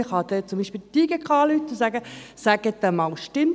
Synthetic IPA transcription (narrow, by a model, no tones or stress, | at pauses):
ɪχɑd̪ɛt͡sʊmbiːʃpɪlt̪iɡɛkχɑːlyt̪ːusæɡəsæɡ̥ət̪əmɑːlʃtɪm